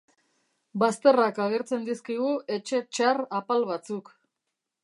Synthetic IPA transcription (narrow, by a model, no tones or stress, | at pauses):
bast̪e̞rakaɣe̞ɾt͡se̞nd̪iskiɣ̞ue̞t͡ʃe̞t͡ʃarapalβat͡suk